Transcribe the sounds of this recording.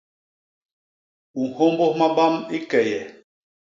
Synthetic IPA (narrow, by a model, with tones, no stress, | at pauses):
u˨ho˦mbo˦hma˦ba˦mi˦kɛ˨jɛ˨